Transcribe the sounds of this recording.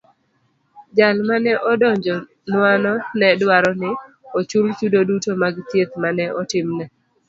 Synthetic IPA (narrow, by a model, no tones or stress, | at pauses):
d͡ʒalmanɛʔɔdɔɲd͡ʒɔ | nwanɔnɛdwaɾɔnɪ | ot͡ʃult͡ʃudodutomaɡt̪jet̪manɛʔɔtɪmnɛ